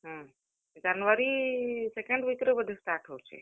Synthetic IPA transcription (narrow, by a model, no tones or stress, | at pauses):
ɦã | d͡ʒanʋəɾisɛkẽɳɖʋikɾobəd̪ʱesʈ̪aʈʰəwt͡ʃʰḛ